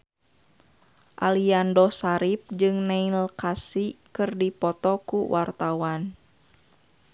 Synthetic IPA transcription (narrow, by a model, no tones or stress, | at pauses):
ʔa̰liandɔsaɾip̚d͡ʒɨŋnailkasikɨrdipɔt̪ɔkuwʔart̪awan